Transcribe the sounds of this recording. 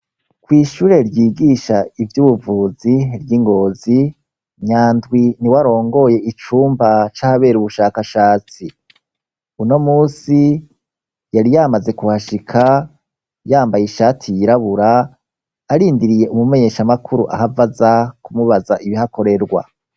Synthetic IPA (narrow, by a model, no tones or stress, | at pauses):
kwiːʃuːɾe̞ɾjiːɡiːʃaivjuːβuvuːziɾjiŋɡo̞ːzi | ɲaːndɡwiniwaɾo̞ːŋɡo̞je̞ʔit͡ʃuːmbat͡ʃahaβe̞ːɾuβuʃaːkaʃaːt͡si | uno̞muːsi | jaɾijaːmaze̞kuhaʃikʰa | jaːmbajiʃaːtʰijiɾaβuɾaː | ɾiːndiɾijeʔumume̞ɲe̞ːʃamakʰuɾṵʔa̰havazakumuβazaʔiβihako̞ɾe̞ɾɡwa̰